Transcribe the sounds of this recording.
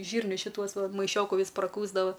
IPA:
ˈʒʲiːrʲnʲʊs ʃʲɪˈtuɔs ˈʋɐ mɐɪˈʃʲoːkʊ ˈʋʲiːs prɐˈkuːzdɐʋɐ

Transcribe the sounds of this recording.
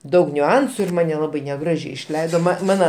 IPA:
ˈdɐʊk nʲʊˈɐnsʊ ɪr ˈmɑːnʲɛ lˠɐˈbɐɪ nʲɛˈɡrɑːʒʲɛɪ ɪʃʲˈlʲɛɪdoː mɐ ˈmɑːnɐ

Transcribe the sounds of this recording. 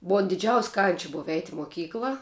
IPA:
ˈbʊɐ dʲɪˈd͡ʒʲɛʊsʲ kɐnʲt͡ʃʲ ˈboːʋɐ ɛɪtʲ ɪ moːˈkʲiːklˠɐ

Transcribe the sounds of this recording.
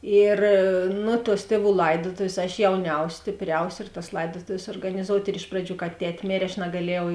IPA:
ˈɪr nʊ tuɔs ˈtʲiɛˌʋuː ˈlˠɐɪdoːtoːʋʲeːs ɐʃ jɛʊˈnʲɛʊsʲ sʲtʲeːpʲˈrʲɛʊsʲ ɪr tɐs ˈlˠɐɪdoːtoːʋʲeːs suɔrɡɐnʲɪˈzoːʊtʲ ɪr ˈɪʃ prɐˌd͡ʒʲuː kɐ ˈtʲɛtʲ ˈmʲeːrʲeː ɐʃ nɐɡɐˈlʲiɛjɛʊ

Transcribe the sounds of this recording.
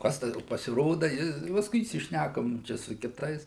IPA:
ˈkɐs tɐ pɐsʲɪˈroːdɐ ˈjɪ pɐsˈkʊɪ iːsʲɪʃʲˈnʲækoːm ˈt͡ʃʲɛ sʊ kʲɪˈtɐɪs

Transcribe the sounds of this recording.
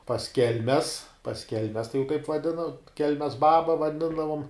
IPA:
pɐs ˈkʲɛlʲmʲɛs pɐs ˈkʲɛlʲmʲɛs tɐɪ jɛʊ kɐɪp ʋɐˈdʲɪnoː ˈkʲɛlʲmʲɛs ˈbɑːbɐ ʋɐˈdʲɪndɐʋoːm

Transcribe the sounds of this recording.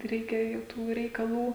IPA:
ˈrʲɛɪkʲɛ jɛʊ ˈtuː rʲɛɪkɐˈlˠuː

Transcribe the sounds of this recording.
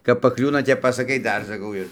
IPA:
kɐp pɐˈklʲuːnɐ ˈtʲɛp pɐsɐˈkɐɪ ˈdɐr sɐˈkɐʊ ɪr

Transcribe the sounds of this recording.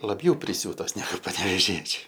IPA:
lˠɐˈbʲjɛʊ pʲrʲɪˈsʲuːtoːs nʲɛˈɡʊ pɐnʲɛʋʲeːˈʒʲiɛt͡ʃʲʊ

